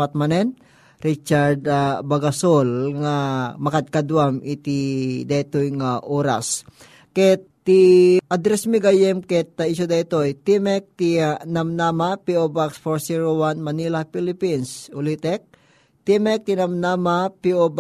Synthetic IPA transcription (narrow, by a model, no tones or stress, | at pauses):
at̪̚manɛn | ɾit͡ʃaɾd̪abaɡasolŋamɐkad̪̚kad̪wamʔɪt̪id̪at̪ojŋaʔoːɾa̰s | kɛt̪ːiʔad̪ɾɛsmiɡajɛmkɛt̪ːɐisod̪ɐit̪ojt̪imɛk̚t̪inamnamapiobaksfoɹsiɹowanmɐnilapilɪpinsʊlit̪ɛk̚ | t̪imɛk̚t̪inamnamapiob